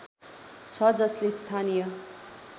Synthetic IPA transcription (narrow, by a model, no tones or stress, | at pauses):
t͡sʰʌd͡zʌslest̪ʰanijʌ